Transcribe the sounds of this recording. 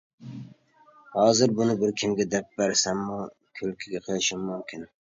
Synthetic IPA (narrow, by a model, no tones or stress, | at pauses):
hɒːzɪɾbʊnɪbɪɾkʲʰɪmɡʲad̪ap̚b̥aɾsamːʊ | kʲʰɵlkʲʰɪɡʲaqʰɨlɪʃɪmːʊmkʲʰɪn